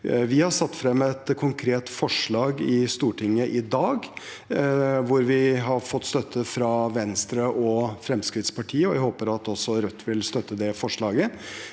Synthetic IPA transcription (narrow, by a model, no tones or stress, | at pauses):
ʋɪhɑʂɑt̪ːfɾɛmːɛt̪kʰʊŋkʰɾeːt̪fɔʂɭɑːɡɪst̪uːʈʰɪŋːəʔɪd̪ɑːɡ | ʋʊɾʋɪɦɑɾfɔt̪ːst̪œt̪ʰːəfɾɑʋɛnst̪ɾəʔɔfɾɛmskɾɪt̪spʰɑʈʰiːəɔʋæhoːpəɾɑt̪ɔsːɔɾœt̪ːʋɪlst̪œt̪ːəd̪ɛfɔʂɭɑːɡə